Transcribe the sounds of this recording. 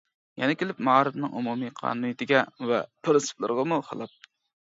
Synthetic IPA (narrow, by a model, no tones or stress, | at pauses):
jɛnɛkʲʰelɪpmɑɾɨfnɨŋʔumumijqʰɑ̰ːnunɪt̪ʰɪɡʲɛvɛ̰pɾɪnsɨ̥plˠɨ̰ɾʁɑmuχɑ̰lˠɑp̪̚